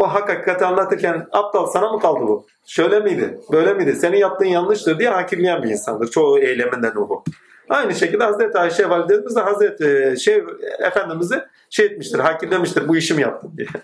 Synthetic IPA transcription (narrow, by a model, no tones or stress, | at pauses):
oɦakːakikʰat̪ʰɯanlˠat̪ʰɯɾcʰænap̚t̪alˠsanamɯkʰalˠd̪ɯbu | ʃø̞jlʲemijd̪ɪ̰bø̞jlʲemijd̪ise̞ninjap̚t̪ːɯːnjanlˠɯʃt̪ɯɾd̪ijɛɦaːcʰiɾlʲijænbiḭnsa̰nd̪ɯɾt͡ʃʰo̞ejlʲe̞mind̪ænuɾu | ajnɯʃecilʲd̪ɛɦazɾet̪ʰiaːiʃɛvalʲid̪ʰet̪imizɛɦazɾet̪ʰɪʃejḛfænd̪imizɪ | ʃejit̪̚miʃt̪ʰiɾɦaːcʰiɾlʲemiʃt̪iɾbuiʃimijap̚t̪ʰɯnd̪ijɛ